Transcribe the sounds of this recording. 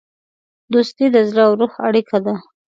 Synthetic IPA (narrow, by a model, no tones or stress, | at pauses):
d̪ost̪id̪əzlawɾuxaɽikʰad̪a